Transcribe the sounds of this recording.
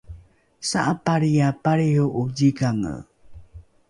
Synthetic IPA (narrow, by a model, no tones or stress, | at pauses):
saʔapaɾijapaɾiuʔud͡ʒiɡaŋə̰